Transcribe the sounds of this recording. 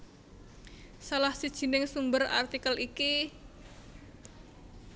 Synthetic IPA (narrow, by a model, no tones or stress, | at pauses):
salahsid̥ʒ̥i̤nɪŋsumbəra̰rt̪ikəliki